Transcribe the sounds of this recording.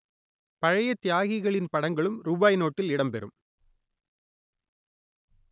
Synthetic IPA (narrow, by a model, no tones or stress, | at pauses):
pɐɻɐjɐt̪ːjaːɣɪɣɐɭɪnpɐɽɐŋɡɐɭɯmɾuːbaːjnoːʈːɪlɪɽɐmpɛɾɯ̰m